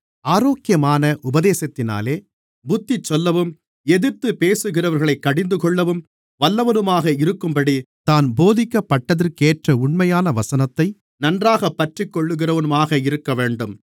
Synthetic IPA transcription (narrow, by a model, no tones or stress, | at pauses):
aːɾoːkɪjɐmaːnɐʔʊbɐðeːsɐt̪ːɪna̰ːleː | bʊt̪ːɪt͡ʃːɔlːɐʋɯm | ɛðɪɾt̪ɯpeːsɯɣɪrɐʋɐɾɣɐɭɐɪkːɐɽɪnd̪ɯkɔɭːɐʋɯm | ʋɐlːɐʋɐnɯmaːɣɐɪɾɯkːɯmbɐɽit̪aːnboːðɪkːɐpːɐʈːɐðɐɾkeːʈrɐʊɳmɐjaːnɐʋɐsɐnɐt̪ːɐɪ | nɐndraːɣɐpːɐʈrɪkːɔɭːɯɣɪrɐʋɐnɯmaːɣɐɪɾɯkːɐʋeːɳɖɯm